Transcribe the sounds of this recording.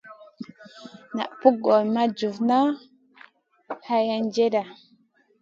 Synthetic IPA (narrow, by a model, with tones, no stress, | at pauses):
na̰˨ʔpu˦ɡo˨jma˦d͡ʒu˨vna˦ | ha˦ja˦nd͡ʒe˦da˨